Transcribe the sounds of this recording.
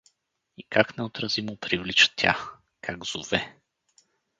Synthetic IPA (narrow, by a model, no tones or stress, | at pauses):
ikaknɛot̪ɾɐzimʊpɾivlit͡ʃə̥t̪ʰʲja̰ | kʰaɡz̥ʊvɛ